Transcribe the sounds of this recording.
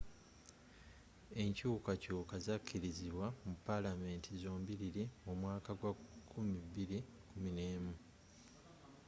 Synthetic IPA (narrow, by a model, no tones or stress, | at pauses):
e̞ɲcuːkacuːkazacʰːiɾiziβwamupːalame̞ːntʰizo̞ːmbiɾiɾiomwaːkaɡwakʰːumiβiɾi | kumine̞ːmu